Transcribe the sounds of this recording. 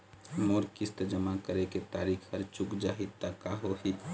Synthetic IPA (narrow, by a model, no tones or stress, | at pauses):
moɾkist̪əd͡ʒəmakəɾeket̪aːɾikʰhəɾt͡ʃukd͡ʒaɦit̪ːakaɦoɦit̪